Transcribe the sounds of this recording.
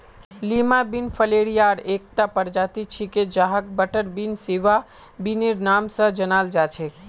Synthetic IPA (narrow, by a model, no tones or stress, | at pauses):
limabinfʰəleɽijaɾek̚t̪apəɾd͡ʒat̪it͡ʃʰiked͡ʒaɦək̚bəʈəɾbinseʋa | bineɾnamsə̃d͡ʒənald͡ʒat͡ʃʰe